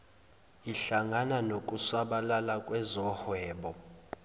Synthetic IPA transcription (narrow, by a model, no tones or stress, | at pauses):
iɬaŋananokʼusaɓalalakʼwɛzɔhwɛːɓɔ